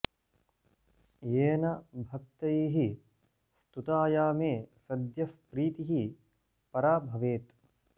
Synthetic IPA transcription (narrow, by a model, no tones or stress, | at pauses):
jeːnɐbʱɐk̚t̪ɐjiːɦi | st̪ut̪aːjaːmeːsɐd̪jɐfpɾiːt̪iɦi | pɐɾaːbʱɐʋeːt̪